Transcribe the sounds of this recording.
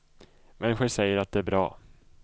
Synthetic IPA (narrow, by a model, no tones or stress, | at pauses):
mɛnːɪɧəʂɛjːəɾat̪̚d̪ɛæɾbɾɑ̰ː